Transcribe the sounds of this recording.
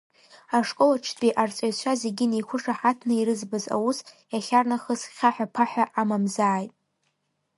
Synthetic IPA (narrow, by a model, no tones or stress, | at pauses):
aʂkʼolaʈ͡ʂʰdʼiʔart͡sʷʼajt͡ɕʷʰazeɡʲɪnijkʷʰʊʂaħatʰnɨiɾɨzbɨza̰wus | jaχʲarnaχəzχʲaħᶣapʰaħʷᶣaʔamamzaːjtʼ